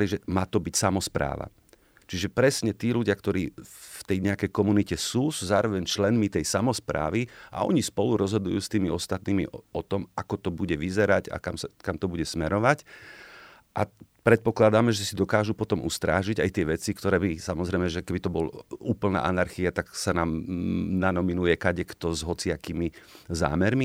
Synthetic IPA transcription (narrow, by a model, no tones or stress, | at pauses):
liʒɛmaːt̪ɔbicsamɔspɾa̰ːʋa̰ | t͡ʃiʒɛpɾɛsɲɛt̪iːluɟɪakt̪ɔɾiːft̪ɛjɲɛakɛjkɔmunicɛsuːsuzaːɾɔʋɛɲt͡ʃlɛnmit̪ɛjsamɔspɾa̰ːʋiʔa̰ɔ̰ɲispɔluɾɔzɦɔd̪ujuːst̪iːmiɔst̪at̪niːmiʔɔt̪ɔmakɔt̪ɔbuɟɛʋizɛɾaɟa̰kamsakamt̪ɔbuɟɛsmɛɾɔʋac | ʔapɾɛt̪̚pɔklad̪amɛʒɛsid̪ɔkaːʒupɔt̪ɔmṵst̪ɾa̰ːʒiɟajt̪ɪɛʋɛt͡sikt̪ɔɾɛːbisamɔzɾɛjmɛʒɛkɛbit̪ɔbɔluːpl̩na̰ːʔanaɾxiat̪aksanaːmnanɔminujɛkaɟɛkt̪ɔzɦɔt͡sɪakiːmiza̰ːmɛɾmi